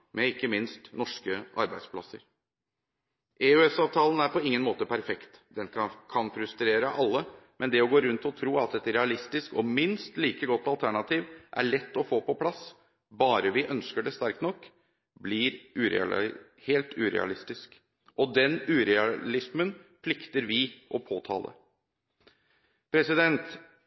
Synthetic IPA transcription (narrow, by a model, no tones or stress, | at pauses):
mʔɛɪkːəmɪnst̪nɔʂkəʔɑ̰ɾbæɪd̪spʰlɑsə̰ɾ | ʔeʉɛsɑːʋt̪ʰɑːlən̩æɾpʰɔɪŋːənmoːt̪əpʰæɾfɛkt̪d̪ɛnkʰɑnfɾʉst̪ɾeːɾəʔɑlːəmʔɛnd̪ɛɔɡoːɾʉnt̪ɔt̪ʰɾuːɑt̪ɛt̪ɾɛɑlɪst̪ɪskɔmɪnst̪liːkəɡɔt̪ːɑlt̪ʰæɳɑt̪ʰiːʋʔæ̰ɭɛt̪ːɔfoːpɔpʰlɑs | bɑːɾəʋɪʔœnskəɖɛst̪æɾk̚t̪nɔkː | blɪɾʔʉːɾɛ̰ɑ̰ | heːlt̪ʰʉːɾɛ̰ɑ̰lɪst̪ɪsk | ʔɔd̪ɛnʉːɾɛɑlɪsmənpʰlɪkt̪əɾʋɪʔɔpʰoːt̪ʰɑ̰ːlʔə̰ | pʰɾɛsɪd̪ɛnt̪